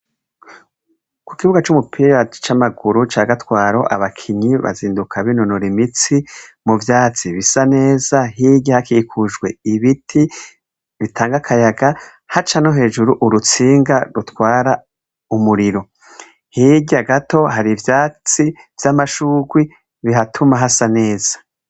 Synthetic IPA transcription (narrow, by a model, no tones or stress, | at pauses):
ku̥kiβuɡat͡ʃumupʰiɾat͡ʃamaɡuɾut͡ʃaːɡatwaːɾo̞ʔa̰βakʰiɲiβa̰ziːndukʰaβinonoɾimit͡simuvjaːt͡siβisane̞ːzaɦiɡihakikʰuʒɡwe̞iβitʰi | βitʰaːŋɡakʰajaɡa | hat͡ʃanoɦe̞ːʒuɾuʔuɾut͡siːŋɡaɾutwaːɾa | umuɾiɾo̞ | hiɡiaɡato̞ɦaɾivjaːt͡siv̥jamaʃuːɡwi | βiɦatʰumaɦasane̞ːz̥ḁ